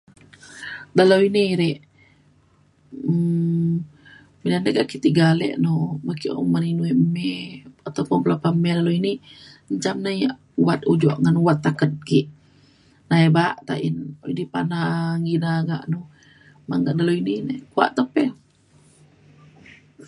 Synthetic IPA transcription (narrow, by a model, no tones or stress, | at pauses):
dalowiniɾɛʔ | midanəɡaʔkit̪iɡalɛ̰ʔnomakio̰maninuɛʔmɛat̪awpʊnbəlapamɛlaloiniɲt͡ʃamnajaʔ | uwat̪̚ud͡ʒɔʔŋanuwat̪ːakət̪̚ɡiʔ | naɛbaʔt̪aʔinidipanaŋɡinaɡa̰ʔno | ma̰ŋɡaʔdaloininakua̰ʔt̪əpɛ